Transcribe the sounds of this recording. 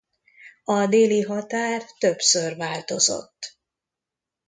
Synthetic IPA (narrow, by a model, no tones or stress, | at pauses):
ɒd̪eːliɦɒt̪aːrt̪øpsørvaːlt̪o̞zo̞̰t̪ː